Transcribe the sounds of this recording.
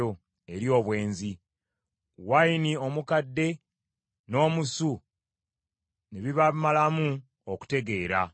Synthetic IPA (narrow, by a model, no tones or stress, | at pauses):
o | e̞ɾjo̞ːβwe̞ːnzi | wainio̞mukadːe̞ | no̞ːmusu | neβiβamalamu | oku̥te̞ɡe̞ːɾa